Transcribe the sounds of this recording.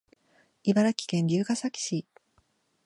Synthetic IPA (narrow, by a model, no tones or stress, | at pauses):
ibaɾakʲi̥kẽ̞ɲɾʲɨːkasakʲi̥ɕi